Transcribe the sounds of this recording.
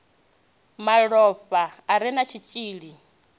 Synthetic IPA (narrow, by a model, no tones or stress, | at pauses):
maɺɔɸaːɾinat͡ʃʰit͡ʃʼiːɺi